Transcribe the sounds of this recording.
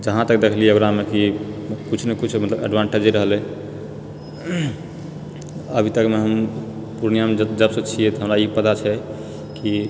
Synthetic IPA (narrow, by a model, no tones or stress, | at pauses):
d͡ʒəɦãt̪ək̚d̪ekʰliɛəɡɾamekikut͡ʃʰnekut͡ʃʰmət̪ləbə̰ɖʋãɳʈeɾd͡ʒeɾəɦəle | əbʱit̪əkmeɦəm | puɾnijamed͡ʒd͡ʒəbsə̃t͡ʃʰiɛt̪ɔɦəmɾaipət̪at͡ʃʰɛ | ki